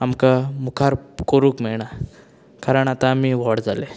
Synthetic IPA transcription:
amkamukʰaɾkoɾuːkmiɭɳa | kaɾəɳat̪ãːmiːʋɔɽd͡zale

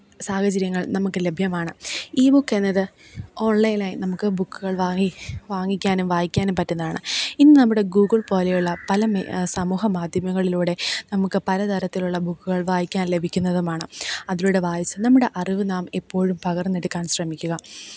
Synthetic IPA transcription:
saːhɐt͡ɕɐɾjɐŋːɐɭnɐmukːɨle̞bʱjɐmaːɳɨiːbukːe̞nːɐðɨ | o̞ːɳlɐjinaːjinɐmukːɨbukːuɣɐɭʋaiʋaːŋːikʲːaːnumʋaːjikʲːaːnumpɐtːunːɐðaːɳɨinːɨnɐmːuɽe̞ɡuːɣɨɭpo̞ːlejuɭːɐpɐlɐm̰sɐmuːɦɐmaːd̪ʱjɐmɐŋːɐɭiluːɽe̞nɐmukːɨpɐlɐt̪ʰɐɾɐt̪ːiluɭːɐbukːuɣɐɭʋaːjikʲːaːnle̞bʱikʲːunːɐðumaːɳɨɐðiluːɽeʋaːjɐsɐnɐmːuɽe̞ʔɐriʋɨnaːmepːo̞ːɻumpɐɣɐrnːeɽukːaːnɕrɐmikʲːuɣɐ

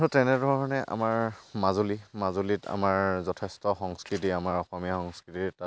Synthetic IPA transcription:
ɔtɛnɛdʱɔɹɔnɛʔa̰maɹmazulimazulita̰maɹzɔtʰɛstɔxɔŋskɹitiamaɹɔxɔmijaxɔŋskɹitita

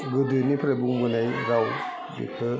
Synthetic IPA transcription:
ɡɯdɯnipʰɾebuŋbɯnajɾaw | bḭpʰɯ

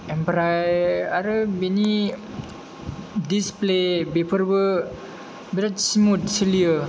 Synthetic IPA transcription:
ɛmpɾajaɾəbini | displebepərwə | biɾatsmut̪̚siliə

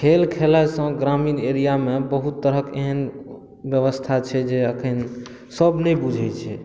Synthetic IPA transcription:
kʰelkʰelasə̃ɡɾamineɾijamebəɦut̪ːəɾɦəkeɦən | bjəʋəst̪ʰat͡ʃʰɛd͡ʒeəkʰən | səbnɛjbud͡ʒʱɛt͡ʃʰɛ

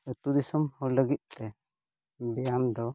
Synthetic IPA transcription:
ət̪ud̪isəmhɔləɡit̪̚ˀt̪ɛ | bɛjamd̪ɔ

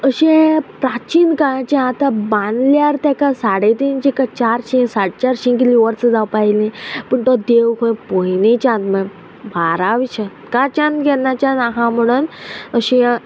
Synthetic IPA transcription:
əɕẽpɾat͡ɕinkãt͡ɕẽat̪abãnljaɾt̪akasaɽet̪int͡ɕikat͡ɕaɾɕĩsaɽt͡ɕaɾɕĩkiliʋəɾt͡səd͡zawpailĩpəɳt̪ɔd̪ewkʰõj̃pojnĩt͡ɕãnt̪mə̃ | bʱaɾaʋit͡ɕʰã | kat͡ɕãnt̪ɡɛnat͡ɕãnaɦãm̤əɽ̃unəɕĩ

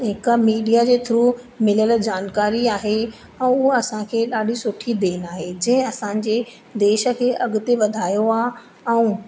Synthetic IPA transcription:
ɦɪkəmiːɖijad͡ʑeːt̪ʰɪɾu | mɪləld͡ʑaːnkaːɾiaːɦe | ɛ̃ːʊɦoɐsãkʰeːɗaːɖʱisʊʈʰid̪eːnaːɦed͡ʑɐ̃ɦɪ̃ɐsãɲ̆d͡ʑeː | d̪eːʃə̆kʰeːʔɐɠʊt̪eʋɐd̪ʱaːjoaː | ɛ̃ũ

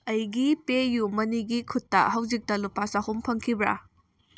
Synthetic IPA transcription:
ɐjɡipejumɐniɡikʰutːɐ̰hɐwzik̚tɐlupasahumpʰɐŋkʰibɾa̰

